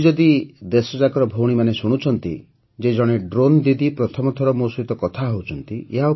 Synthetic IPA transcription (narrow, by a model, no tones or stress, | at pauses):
d͡ʒɔd̪id̪esɔd͡ʒakɔɾɔbʱowɽ̃imanesuɽ̃ut͡ʃʰɔnt̪ḭ | d͡ʒed͡ʒɔɽ̃eɖɾond̪id̪ipɾɔt̪ʰɔmɔt̪ʰɔɾɔmosit̪ɔkɔt̪ʰaɦowt͡ʃʰɔnt̪ieɦa